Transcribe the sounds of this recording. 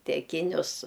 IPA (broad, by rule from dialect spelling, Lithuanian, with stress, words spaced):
tʲɛˈkʲɪnʲʊs